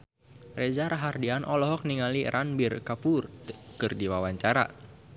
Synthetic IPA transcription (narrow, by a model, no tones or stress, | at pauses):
red͡ʒaɾaɦardianʔɔlɔɦɔk̚niŋalirʔanbirkapurkɨrdiwawaɲt͡ʃaɾa̰